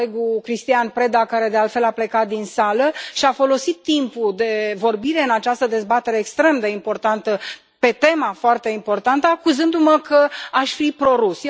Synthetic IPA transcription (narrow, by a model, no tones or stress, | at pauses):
eɡukɾist̪ianpɾe̞d̪akaɾe̞d̪e̞alt̪fe̞laple̞kat̪̚d̪insaləʃiafo̞lo̞sit̪ːimpud̪e̞vo̞rbiɾe̞ɨnat͡ʃast̪əd̪e̞zbat̪e̞ɾeːkst̪ɾe̞md̪e̞impo̞rt̪ant̪ə | pe̞t̪e̞mafoart̪eimpo̞rt̪ant̪əakuzɨnd̪uməkəaʃʲfipɾo̞ɾus